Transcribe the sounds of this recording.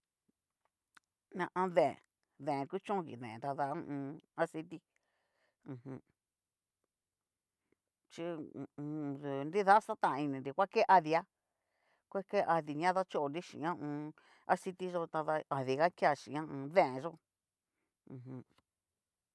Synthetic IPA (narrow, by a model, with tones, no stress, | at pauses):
nã˧ʔã˧ðẽ˨ḛ̃˨ | ðẽ˨ẽ˨ku˦t͡ʃõ˦˧kḭ˨ðḛ̃˨t̪a˧ða˧ũ˦˧ũː˧a˦si˧t̪i˦ | ũ˧hũ˧ | t͡ʃĩ˦˧ | u˨nɾi˦ða˦sa˦t̪ã˦˨˧i˧nĩ˨nɾi˧kʷa˦ke˦ʔa˧ði˧a˦ | kʷe˦ke˦ʔa˧ði˧ɲã˦ða˦t͡ʃo˦ʔo˧nɾi˦ʃḭ˨ɲã˦ũː˧ | a˦si˧t̪i˦ʒo˧t̪a˧ða˧a˨ði˧ɣa˦kja˧˨ʃĩ˨ã˦ũ˧ðẽ˦˨ẽ˧ʒo˦ | ũ˧ɦũ˧